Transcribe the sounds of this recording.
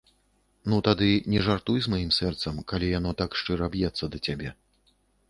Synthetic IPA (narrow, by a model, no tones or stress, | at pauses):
nut̪ad̪ɨnʲɛʐart̪ujzmajimsɛrt̪sɐmkalʲijanɔt̪akʂt͡ʂɨɾɐbjɛt̪sːɐd̪ɐt͡sʲabʲɛ